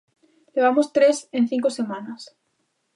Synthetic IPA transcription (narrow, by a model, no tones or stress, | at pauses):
leβ̞amost̪ɾesen̟θiŋkosemãnas